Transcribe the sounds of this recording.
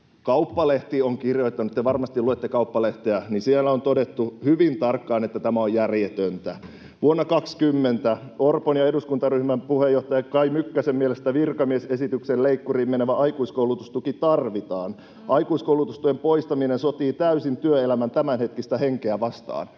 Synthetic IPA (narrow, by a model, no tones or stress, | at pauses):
kɑupːɑleht̪ioŋkirjoit̪ːɑnut̪t̪eʋɑrmɑst̪iluet̪ːekɑupːɑleht̪eænisielːæont̪odet̪ːuhyʋint̪ɑrkːɑːnet̪ːæt̪æmæojjærjet̪ønt̪æ | ʋuonːɑkɑkskymːent̪æorponjɑeduskunt̪ɑryhmæmpuhejoht̪ɑjɑkɑimykːæsemielest̪æʋirkɑmiesesit̪ykselleikːuriːmmeneʋæʔɑikuiskouwlut̪ust̪ukit̪ɑrʋit̪ɑːn | ʔɑikuiskowlut̪ust̪uempoist̪ɑminensot̪iːt̪æysint̪yøelæmænt̪æmænhet̪kist̪æheŋkeæʋɑst̪ɑ̰ːn